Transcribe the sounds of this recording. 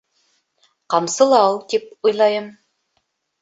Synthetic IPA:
qɑmsɤ̆lˠɑwt̪ip̚ujlˠɑjɤm

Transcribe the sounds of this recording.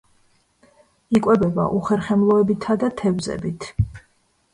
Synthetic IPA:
ikʼwɛbɛba̰ʔuχɛɾχɛmlˠɔɛbit̪ʰad̪at̪ʰɛvzɛ̰bit̪ʰ

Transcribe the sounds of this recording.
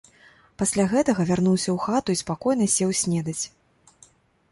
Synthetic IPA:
pasʲlʲaɣɛt̪ɐɣɐvʲarnuwsʲɐwxat̪uispakɔjn̪ɐsʲɛwsʲnʲɛd̪ɐt͡sʲ

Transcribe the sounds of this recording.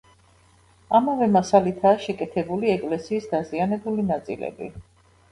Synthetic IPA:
amavɛmasalit̪ʰaːʃɛkʼɛt̪ʰɛbuliɛkʼlɛsiːsd̪azianɛbulinat̪sʼḭlɛ̰bḭ

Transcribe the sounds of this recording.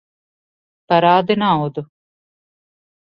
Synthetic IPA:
pɐɾaːd̪inaːud̪u

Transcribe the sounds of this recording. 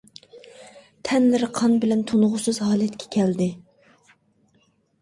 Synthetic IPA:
t̪ʰɛnlɪɾɪqʰɑnbɪlɛnt̪ʰonʁʊsɨzɦɑːlˠɛt̪kʲʰɛ̥kʲʰɛld̪ɪ

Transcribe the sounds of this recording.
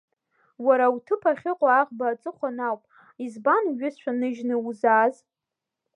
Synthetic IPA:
waɾawtʰɨpʰaχʲɪqʷʼaːʁʼbaːt͡sʼɨχʷanawpʼ | izbanɥʊsʃʷʰᶣanɨʒnɨuzaz

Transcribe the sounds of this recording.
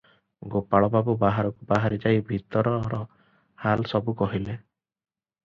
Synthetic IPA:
ɡopaɭɔbabubaɦaɾɔkubaɦaɾid͡ʒajbʱit̪ɔɾɔɾɔ | halsɔbukɔɦile

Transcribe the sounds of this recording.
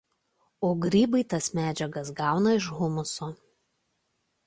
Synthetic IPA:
oːɡɾʲiːbɐɪt̪ɐsmʲæːd͡ʒʲɛɡɐs̬ɡɑˑʊnɐɪʃɣʊmʊsoː

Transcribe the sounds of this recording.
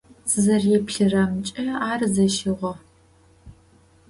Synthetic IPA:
sɨzɐrjɛpɬɨrɐmt͡ʃʼɐaːrzɐʃɪʁʷɔ

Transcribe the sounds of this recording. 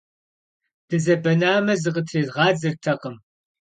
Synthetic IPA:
d̥ɨzɐbɐnaːmɐzɨqətʰizʁɑːd͡zɨrtʰɐqəm

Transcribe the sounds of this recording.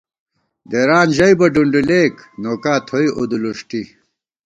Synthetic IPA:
d̪eɾaːnʑɐibɐɖuɳɖileːknoːkaːt̪ʰoiʔod̪uluʂʈi

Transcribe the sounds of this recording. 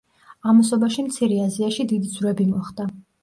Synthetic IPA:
amɔs̬ɔbaʃimt̪sʰiɾɛaziaʃid̪id̪id̪zvɾɛbimɔχd̪̥a

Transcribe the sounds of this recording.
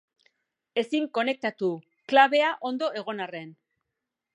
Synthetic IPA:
e̞siŋko̞ne̞k̚t̪at̪u | klaβe̞aʔo̞nd̪o̞ʔe̞ɣ̞o̞nare̞n

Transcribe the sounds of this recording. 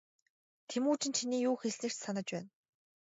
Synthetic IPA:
t̪ʰemuːt͡ɕɪ̆nt͡ɕʰiniːjuːxeɮnɘ̆r̥t͡ɕsanə̆t͡ɕpæːn

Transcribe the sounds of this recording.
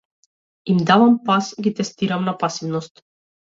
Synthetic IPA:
imd̪avampasɡit̪ɛst̪iɾamnapasivnɔst̪

